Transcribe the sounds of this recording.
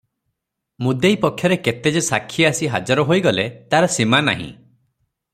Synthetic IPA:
mud̪ejpɔkʰːjɔɾeket̪ed͡ʒesakʰːiasiɦad͡ʒɔɾɔɦojɡɔlet̪aɾɔsimana̰ɦḭ̃

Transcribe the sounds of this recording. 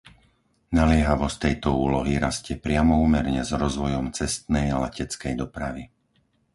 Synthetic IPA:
nalɪɛɦaʋɔst̪ɛjt̪ɔuːlɔɦiɾascɛpɾɪamɔuːmɛɾɲɛzɾɔzʋɔjɔmt͡sɛst̪nɛjalɛcɛt͡skɛjd̪ɔpɾaʋi

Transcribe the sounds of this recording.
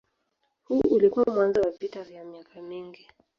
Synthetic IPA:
huʔulikuwamwanzɔwavitavjamiakamiŋɡi

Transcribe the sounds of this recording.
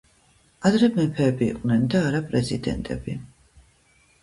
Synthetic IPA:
ad̪ɾɛmɛpʰɛːbḭːqʼnɛnd̪aːɾapʼɾɛzid̪ɛ̰nt̪ʼɛ̰bi

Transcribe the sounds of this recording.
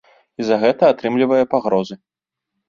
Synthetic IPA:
izɐɣɛt̪ɐat̪ɾɨmlʲivɐjɛpaɣɾɔzɨ

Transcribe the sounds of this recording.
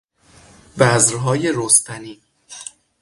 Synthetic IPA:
bæzɾɦɒːjeɾost̪ʰæniː

